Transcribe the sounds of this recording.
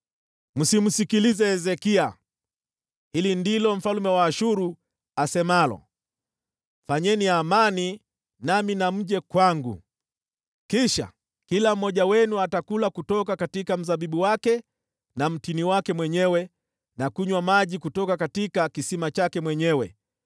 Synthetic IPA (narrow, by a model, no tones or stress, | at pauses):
m̩sim̩sikilizɛːzɛkia | hilindilɔm̩falumɛwaːʃuɾu | asɛmalɔ̰ | faɲɛniamani | naminam̩ʄɛkwaŋɡṵ | kiʃa̰ | kilam̩mɔʄawɛnuatakulakutɔkakatikam̩zaɓiɓuwakɛ | nam̩tiniwakɛmwɛɲɛwɛ | nakuɲwamaʄikutɔkakatikakisimat͡ʃakɛmwɛɲɛwɛ̰